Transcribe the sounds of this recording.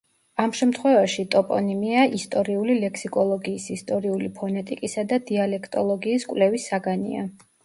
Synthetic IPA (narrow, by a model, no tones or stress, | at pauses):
amʃɛmt̪ʰχwɛvaʃit̪ʼɔpʼɔ̰nimiaʔist̪ʼɔɾiulilɛkʰsikʼɔlˠɔɡiːsist̪ʼɔɾiulipʰɔnɛt̪ʼikʼisad̪ad̪ialɛkʰt̪ʼɔlˠɔɡiːskʼwlɛvisaɡanḭa̰